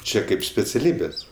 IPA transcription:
ˈt͡ʃʲɛ ˈkɐɪp sʲpʲɛt͡sʲɛˈlʲiːbʲeːs

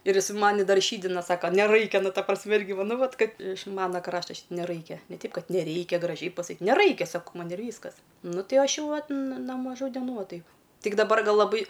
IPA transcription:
ɪr ˈjɪs ˈmɑːnʲɪ ˈdɐr ˈʃʲiːdʲɪnɐ ˈsɑːkɐ nʲɛˈrɐɪkʲɛ ˈnʊ ˈtɐ prɐsʲˈmʲɪ ˈɪrʲɡʲɪ ˈʋɐ ˈnʊ ˈʋɐt ˈkɐt ɪʃ ˈmɑːnɐ ˈkrɑːʃtɐ nʲɛˈrɐɪkʲɛ nʲɛ ˈtʲɛɪp ˈkɐt nʲɛˈrʲɛɪkʲɛ ɡrɐˈʒʲɛɪ pɐsɐˈkʲiːt nʲɛˈrɐɪkʲɛ ˈsɑːkoː ˈmɐn ɪr ˈʋʲiːskɐs ˈnʊ ˈtʲɪ ˈɐʃ ˈjɛʊ ˈʋɐt n noː mɐˈʒuː dʲɛˈnuː ˈʋɐ ˈtɐɪp ˈtʲɪk dɐˈbɐr ˈɡɐlˠ lˠɐˈbɐɪ

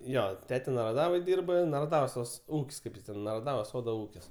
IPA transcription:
ˈjoː ˈtʲæːtʲɛ nɐrɐˈdɑːʋoːj ˈdʲiːrbɐ nɐrɐˈdɑːʋoːs tɐs ˈuːkʲsʲ ˈkɐɪp jɪs ˈtʲɛn nɐrɐˈdɑːʋoːs ˈsoːdoː ˈuːkʲɪs

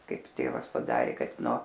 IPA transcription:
ˈkɐɪp ˈtʲeːʋɐs pɐˈdɑːrʲeː ˈkɐt noː

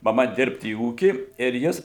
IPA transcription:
mɐˈmɐ ˈdʲɪrpt iː ˈuːkʲiː ɪr ˈjɪs

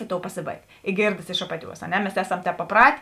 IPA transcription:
ɪ ˈtoːʊ pɐˈsʲeːˌbɐɪk ɪ ˈɡʲeːrdɐs ɪʃ ˈɑːpɐˌtʲuɔs ɐ ˈnʲɛ mʲɛs ˈæːˌsɐm ˈtʲɛːp pɐˈprɐtʲ

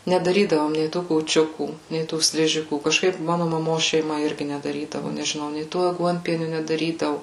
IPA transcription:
nʲɛdɐˈrʲiːdɐʋoːm nʲɛɪ ˈtuː kuːˈt͡ʃʲʊkuː nʲɛɪ ˈtuː ˈsʲlʲɪʒʲɪkuː kɐʃˈkɐɪp ˈmɑːnʊ mɐˈmoːs ʃʲɛɪˈmɐ ˈɪrʲɡʲɪ nʲɛdɐˈrʲiːdɐʋʊ nʲɛʒʲɪˈnɐʊ nʲɛɪ ˈtoː ɐˈɡuɔnʲpʲiɛnʲʊ nʲɛdɐˈrʲiːdɐʋʊ

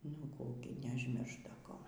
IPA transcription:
nʊ ˈkuː ɡʲɪ nʲɛʊʒʲˈmʲɪrʃt ˈdɐ ˈkoː

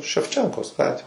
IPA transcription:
ʃʲɛwˈt͡ʃʲɛŋkoːs ˈɡɑːtʲʋʲeː

